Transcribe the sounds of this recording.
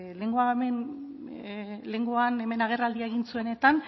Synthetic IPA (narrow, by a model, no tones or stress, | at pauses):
le̞ŋɡo̞aemen | le̞ŋɡo̞ane̞me̞naɣ̞e̞rald̪iaeɣinsue̞ne̞t̪an